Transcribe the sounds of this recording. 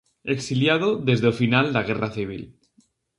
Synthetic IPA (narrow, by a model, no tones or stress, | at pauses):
e̞ksiljað̞oðe̞zðeofinald̪aɣ̞e̞raθiβ̞ḭl